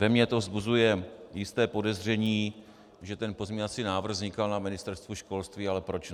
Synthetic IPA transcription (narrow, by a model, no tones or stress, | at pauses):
vɛmɲɛt̪ovzbuzujɛjɪst̪ɛːpo̞dɛzr̝ɛɲiː | ʒɛt̪ɛnpo̞zɲɛɲɲat͡siːnaːvr̩ɣzɲɪkalnamɪnɪst̪ɛɾst̪vuʃko̞lst̪viːalɛpɾo̞t͡ʃ